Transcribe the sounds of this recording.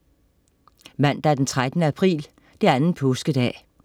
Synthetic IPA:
mæn̰d̥ɑæɐd̥ent͡sʰʁad̥ənəæpʰʁḭːl | d̥e̝ɐænn̩pʰɔsɡ̥əd̥ɛ̰ː

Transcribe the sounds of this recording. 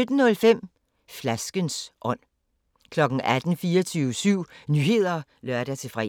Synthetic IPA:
ød̥n̩nɔ̽lfem̰ | flæsɡ̥ənsʔɒ̽n̰ | kʰlɒ̽ɡ̥n̩ʔæd̥n̩fiːɒt͡sʰyːʊsyʊ̰nyːhe̝ð̞̰ˠɐ | lɶɐɾ̥æt͡sʰe̝fʁɛ̰

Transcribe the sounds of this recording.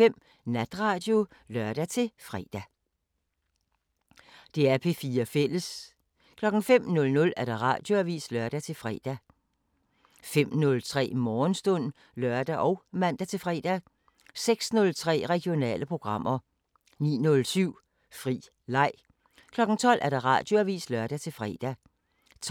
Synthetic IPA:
em̰ | næd̥ʁɑ̈ːd̥jo̝lɶɐd̥æt͡sʰe̝fʁɛ̰ːd̥æ | d̥e̝æɐpʰe̝fiːɐfel̰əs | kʰlɒ̽ɡ̥ŋ̩fem̰nɔ̽lnɔ̽læɐd̥ɑ̈ʁɑ̈ːd̥jo̝æʋḭːslœɐd̥æt͡sʰe̝lfʁɛ̰ːd̥æ | fem̰nɔ̽lt͡sʰʁɛ̰ːmɒːnsd̥ɔn̰ | lɶɐd̥æʔɒʊmæn̰d̥æt͡sʰe̝lfʁɛ̰ːd̥æ | seɡ̥snɔ̽lt͡sʰʁɛ̰ːʁɛɡ̥jo̝nɛ̰ːləpʰʁo̝ɡ̥ʁɑ̈m̰ʔɐ | nḭːnɔ̽lsyʊ̰ | fʁḭː | lɑ̈ɪ̰ | kʰlɒ̽ɡ̥ŋ̩t͡sʰɒ̽l̰ʔæɐd̥ɑ̈ʁɑ̰̈d̥joæʋḭːslœɐd̥æt͡sʰe̝lfʁɛ̰ːd̥æ | t͡sʰ

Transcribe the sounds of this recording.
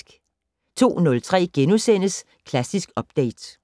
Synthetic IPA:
ɡ̥ | t͡sʰo̝̰ːnɔ̽lt͡sʰʁɛ̰ːɡ̥enusen̰əs | kʰlæsisɡ̥ɒ̽b̥d̥eɪd̥

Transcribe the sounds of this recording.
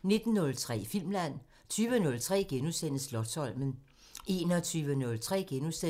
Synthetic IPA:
ne̝d̥n̩ːɔ̽lt͡sʰʁɛ̰ːfil̰mlæn̰ | t͡sʰyːʋənɔ̽lt͡sʰʁɛ̰ːɡ̥enusen̰əslɒ̽sɒ̽l̰mən̩ | e̝nɒt͡sʰyːʋənɔ̽lt͡sʰʁɛ̰ːɡ̥enuse

